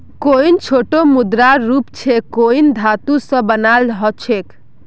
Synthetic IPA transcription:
koint͡ʃʰoʈomud̪ɾaɾːupt͡ʃʰekoind̪ʱat̪usə̃bənalɦɔt͡ʃʰek

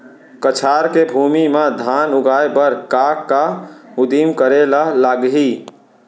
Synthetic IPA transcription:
kət͡ʃʰaːɾkebʱuːmimed̪ʱaːnʊɡʱaːebəɾkaːkːaʊd̪imkəɾelaɦlaɡɦi

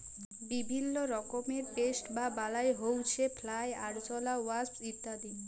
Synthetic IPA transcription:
bibʱinːoɾɔkomeɾʈesʈbabalaeɦowt͡ɕʰepʰlaja̰ɽt͡ɕɔlawait̪ːad̪i

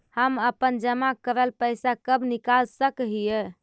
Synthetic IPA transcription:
həməpənd͡ʒəmakəɾəlpəjsakəbnikalsəkɦijɛ

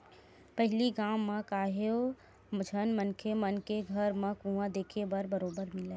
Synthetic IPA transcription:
pɐɦɪliɡaːmːãkaːɦeo | d͡ʒʱənmənkʰemənkeɡʱɐɾmãkũʋãd̪eːkʰebɐɾbəɾoːbəɾmɪleː

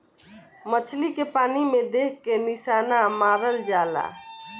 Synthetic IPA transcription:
mət͡ʃʰlikepaːnimẽd̪eːkʰkːenɪʃaːnamaːɾəld͡ʒaːla̰ː

